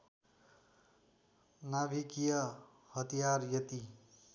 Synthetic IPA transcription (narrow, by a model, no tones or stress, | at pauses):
nabʱikijʌ | hʌt̪ijaɾjʌt̪i